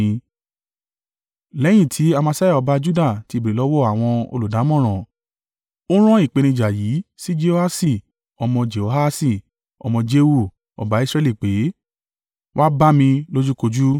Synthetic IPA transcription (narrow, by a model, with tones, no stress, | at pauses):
lɛ˨˦j̃ĩ˦˨tʰi˨˦a˧mã˧sa˦ja˦˨ɔ˧ba˧d͡ʒu˦da˦˨ti˧˦˨be˨ɾe˨lɔ˨˦wɔ˦˨a˨w̃ɔ̃˧o̰˧lu˨da˨˦mɔ̃˦˨ɾ̃ɔ̃˨ | o˦ɾ̃ɔ̃˦i˦˨k͡pe˨˧nĩ˧d͡ʒa˨ji˨˦si˦d͡ʒe˧o˧ha˦si˦˨ | ɔ˧mɔ̃˧d͡ʒe˨o˧ɦa˦si˧˨ | ɔ̰˧mɔ̃˧d͡ʒe˧wu˦˨ | ɔ̰˨ba˨˦i˦sɾɛ˧˨li˦˨k͡pe˨˦ | wʔa˦ba˦mĩ˧lo˦d͡ʒu˦ko˧d͡ʒu˦